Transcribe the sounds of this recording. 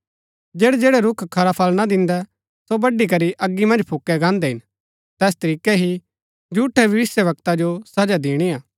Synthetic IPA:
d͡ʒeːɽɛd͡ʒeːɽɛɾʊkʰkʰɐɾapʰɐlnad̪ɪ̃nd̪ɛ | sobɐɖik̬ɐɾiʔɐɡːimɐ̃nd͡ʒpʰʊkːɛɡãːnd̪ɛɦɪ̃n | t̪ɛːs̬t̪ɐɾiːkɛɦi | d͡ʒuːʈʰɛʋɪʋɪsjəʋɐk̚t̪ad͡ʒosɐd͡ʒad̪iːɽ̃iaː

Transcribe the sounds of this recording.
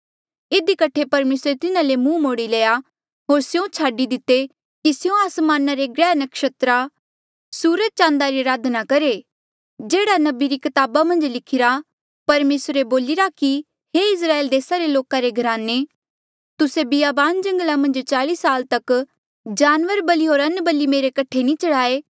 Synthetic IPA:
ɪd̪ikɐʈʰepɐɾmeːsɾet̪ɪnãlemũmoːɽileːja | ɦoːɾsjõt͡ʃʰaːɖid̪ɪt̪ːe | kisɪjõaːsmaːnaɾeɡɾɛːnəkʃɐt̪ɾa | suːɾəd̪̚t͡ʃãːnd̪aɾiɾaːd̪nakɐɾe | d͡ʒeːɽanɐbiɾikɐt̪aːbamɐ̃nd͡ʒlɪkʰɪɾa | pɐɾmeːsɾeboːlɪɾaki | ɦeɪs̬ɾaːeːld̪eːsaɾeloːkaɾeɡʱɐɾaːne | t̪ʊsebɪjaːbaːnd͡ʒɐ̃ŋɡlamɐ̃nd͡ʒt͡ʃaːliːsaːlt̪ɐk | d͡ʒaːnʋəɾbɐliɦoːɾɐnbəlimeːɾekɐʈʰenĩt͡ʃɐɽaːeː

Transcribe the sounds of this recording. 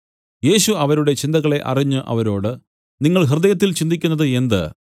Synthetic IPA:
je̞ːɕuɐʋɐɾuɽe̞t͡ɕind̪ɐɣɐɭe̞ʔɐ̰riɲːɨʔɐ̰ʋɐɾo̞ːɽɨ | niŋːɐɭɦird̪ɐjɐt̪̬ːilt͡ɕind̪ikʲːunːɐðɨe̞nd̪ɨ̰

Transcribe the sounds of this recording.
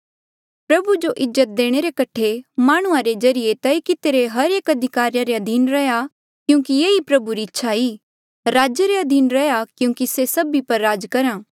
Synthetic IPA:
pɾɐbud͡ʒoʔɪzːət̪̚d̪eːɽ̃eɾekɐʈʰemaːɽ̃ũãɾed͡ʒɐɾɪjet̪ɐikɪt̪eɾeɦɐɾeːkɐd̪ʱɪkaːɾijaɾeɐd̪ʱiːnɾɐja | kjũːkijeːipɾɐbuɾiɪtːʃʰaiː | ɾaːd͡ʒeɾeɐd̪ʱiːnɾɐjakjũːkisesɐbipɐɾːaːd͡ʒkɐɾãː

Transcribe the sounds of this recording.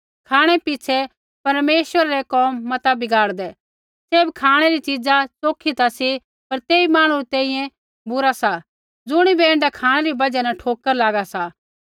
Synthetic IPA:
kʰaːɽ̃ɛpɪt͡ʃʰɛ | pɐɾmeːʃʋəɾaɾɛkɔːmːɐt̪abɪɡaːɽd̪ɛ | seːbkʰaːɽ̃eɾit͡ʃid͡zat͡soːkʰːit̪asi | pɐɾt̪eːimaːɽ̃uɾit̪ẽːĩːjɛ̃ | bʊɾasa | d͡zʊɽ̃ibeːɳɖakʰaːɽ̃ɛɾibɐd͡ʒɛnɛʈʰoːkːəɾlaːɡasa

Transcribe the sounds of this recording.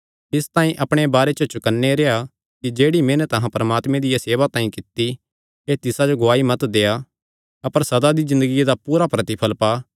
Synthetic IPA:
ɪst̪ãːĩʔɐpɽ̃ebaːɾet͡ʃot͡ʃʊkənːeɾea | kid͡ʒeːɽimẽːnɛt̪ɐɦãpɐɾɐmaːt̪mẽd̪ɪjaseːβat̪ãːĩkɪt̪ːi | et̪ɪsad͡ʒoɡoaːimɐt̪d̪eːa | ɐpəɾsɐd̪ad̪izɪ̃nd̪əɡijed̪apuːɾapɾɐt̪ipʰɐlpaː

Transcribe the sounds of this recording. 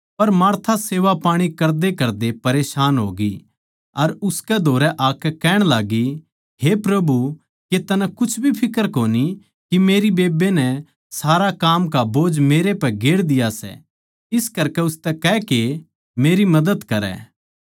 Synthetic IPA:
pɐɾmaːɾt̪ʰaseːʋapaːɽ̃ikɐɾd̪ekɐɾd̪epɐɾeːʃaːnɦo̰ːɡi | ɐɾʊskɛd̪ʱoːɾɛʔaːkɛkɛːɽ̃laːɡi | ɦepɾɐbʱu | ket̪ɐnakʊt͡ʃʰbʱipʰɪkəɾkoːni | kimeːɾibeːbenɛ | saːɾakaːmkaboːd͡ʒmeːɾepɛɡeːɽd̪ɪjasɛ̰ | ɪskɐɾkɛʊst̪ɛkɛke | meːɾimɐd̪əd̪kɐɾɛ̰ː

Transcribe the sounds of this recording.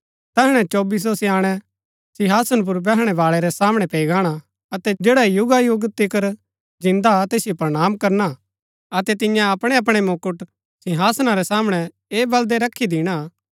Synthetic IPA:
t̪ɛːɦɽ̃ɛ̃t͡ʃoːbis̬osiaːɽ̃ɛ | sɪ̃ɦaːsənp̬ʊɾbɛːɦɽ̃ɛʋaːɭɛɾɛsaːmɽ̃ɛpeːiɡaːɽ̃a | ɐt̪ɛd͡ʒeːɽajʊɡajʊɡt̪ɪkəɾ | d͡ʒɪ̃nd̪at̪eːsijopɾɽ̃aːmkɐɾna | ɐt̪ɛt̪ɪ̃jãɐpɽ̃eɐp̬ɽ̃emoːkʊʈ | sɪ̃ɦaːsnaɾɛsaːmɽ̃ɛ | eːbɐld̪eɾɐkʰid̪ɪɽ̃a

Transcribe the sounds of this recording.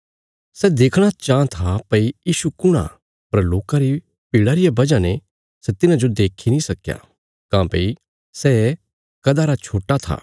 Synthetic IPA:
sɛd̪eːkʰɽ̃at͡ʃãːt̪ʰapɐijiːʃukʊɽ̃a̰ | pɐɾloːkãɾi | piːɽaːɾɪjabɐd͡ʒãne | sɛt̪ɪnãd͡ʒod̪eːkʰinĩsɐkja̰ | kãːpɐ̰i | sɛ | kɐd̪aɾat͡ʃʰoːʈːat̪ʰa̰ː

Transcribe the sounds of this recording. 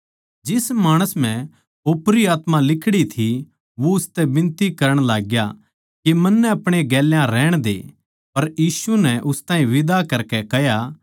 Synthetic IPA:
d͡ʒɪsmaːɽ̃əsm̤ɛ̃ | oːpɾiaːt̪mãlɪkʰɽit̪ʰi | ʋoʊst̪ɛbɪ̃nt̪ikɐɾəɽ̃laːɡja̰ | kimɐnːɛɐpɽ̃eɡɛːljãɾɛːɽ̃d̪ḛ | pɐɾjiːsunɛʔʊst̪ãːĩʋɪd̪akɐɾkɛkɛja

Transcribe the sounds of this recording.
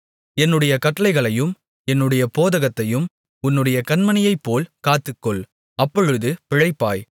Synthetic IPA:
ɛnːɯɽɐjɐkɐʈːɐlɐɪɣɐɭɐjɯm | ɛnːɯɽɐjɐpoːðɐɣɐt̪ːɐjɯm | ʊnːɯɽɐjɐkɐnmɐnɪjɐɪpːoːlkaːt̪ːɯkːɔɭ | ɐpːɔɻɯðɯpɪɻɐɪpːaːj

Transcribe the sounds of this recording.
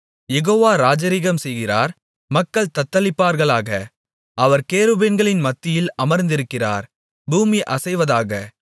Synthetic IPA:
jɛɣoːʋaːɾaːd͡ʒɐɾɪɣɐmsɛjɣɪra̰ːɾ | mɐkːɐɭt̪ɐt̪ːɐlɪpːaːɾɣɐɭaːɣɐ | ʔɐʋɐɾkeːɾɯbeːnɡɐɭɪnmɐt̪ːɪjɪlɐmɐɾnd̪ɪɾɯkːɪra̰ːɾ | buːmiʔɐsɐɪʋɐðaːɣɐ

